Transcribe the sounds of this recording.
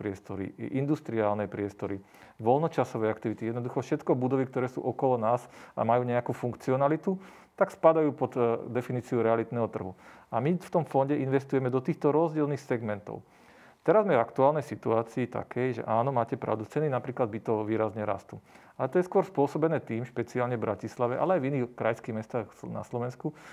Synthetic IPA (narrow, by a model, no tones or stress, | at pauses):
pɾɪɛst̪ɔɾḭʔind̪ust̪ɾiaːlnɛpɾɪɛst̪ɔɾi | ʋɔlnɔt͡ʃasɔʋɛakt̪iʋit̪ijɛd̪nɔd̪uxɔfʃɛt̪kɔbud̪ɔʋik̚t̪ɔɾɛːsṵːʔɔkɔlɔnaːsa̰majuːɲɛakuːfuŋkt͡siɔnalit̪u | t̪akspad̪ajuːpɔd̪d̪ɛfiniːt͡siɔɾɛalit̪nɛːɦɔt̪r̩ɦuamift̪ɔmfɔnɟɛʔinʋɛst̪ujɛmɛd̪ɔt̪iːxt̪ɔɾɔzɟɪɛlniːxsɛɡmɛnt̪ɔ̰ʊ | t̪ɛɾazmɛvakt̪uaːlnɛjsit̪uaːt͡siːt̪a̰kɛjʒɛ̰ʔaːnɔmaːcɛpɾa̰ʊd̪ut͡sɛninapɾiːklad̪̚bit̪ɔʋiːɾazɲɛɾa̰st̪ṵ | alɛt̪ɔjɛskʊɔɾspʊɔsɔbɛnɛːt̪iːmʃpɛt͡siaːlɲɛvbɾʔacislaʋɛʔa̰lɛajviniːxkɾajskiːɣmɛst̪aːxna̰slɔʋɛnsku